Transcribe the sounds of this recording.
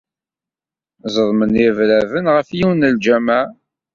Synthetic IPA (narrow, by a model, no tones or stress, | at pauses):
zˤəðˤmənivlævənʁəfjiwnəld͡ʒæmæ